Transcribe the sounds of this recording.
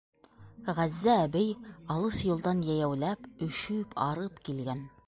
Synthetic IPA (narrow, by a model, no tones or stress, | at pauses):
ʁæzːæːbɘjɑlˠɤθjŏlˠd̪ɑnjæjæwlæpɵ̆ʃɵpʰɑɾɤpkilɡæn